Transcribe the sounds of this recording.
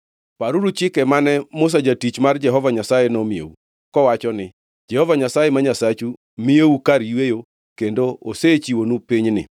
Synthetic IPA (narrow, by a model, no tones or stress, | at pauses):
paɾuɾut͡ʃɪkɛmanɛmʊs̬ad͡ʒatit͡ʃmard͡ʒɛɦɔvaɲasajenɔmiḛu | kɔwat͡ʃɔnɪ | d͡ʒɛhɔvaɲasajemaɲasat͡ʃu | mieukaɾjwejo | kendoo̰set͡ʃiwonupiɲnɪ̰